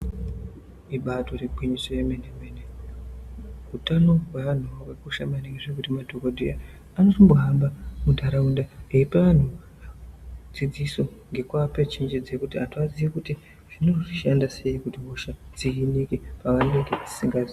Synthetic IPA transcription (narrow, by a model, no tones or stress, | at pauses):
iɓato̞reɡʱweɲisojemenemene | utano̞weʋan̤uwekuʃamaneŋɡeʐekutimadʱokodʱoja | anotomboɦambamudʱaɾaundaeipaʋan̤u | d͡zid͡ziso̞ŋɡe̞kwapet͡ʃind͡ʒid͡zekutiɦatuaziikuti | ʐ̥ino̞ʐiʃandase̞ikutiɦoʃad͡zikinikepakandeŋɡed͡zi̥siŋɡazi